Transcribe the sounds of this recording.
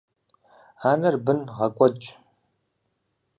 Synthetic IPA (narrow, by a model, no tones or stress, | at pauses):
aːnɐrbɨnʁɐkʷʼɔt͡ʃʼ